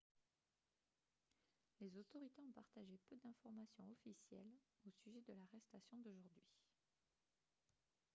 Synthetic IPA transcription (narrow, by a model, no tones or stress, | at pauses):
lezot̪ɔʁit̪eɔ̃paʁt̪aʒepød̪ɛ̃fɔʁmasjɔ̃ɔfisjɛ̰losyʒɛd̪əlaʁɛst̪asjɔ̃d̪oʒuʁd̪ɥi